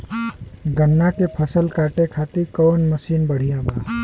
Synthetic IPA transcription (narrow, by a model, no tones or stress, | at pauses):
ɡənːakepʰəsəlkaːʈekʰaːt̪ikɔːnməsiːnbəɽ̤ijãbaː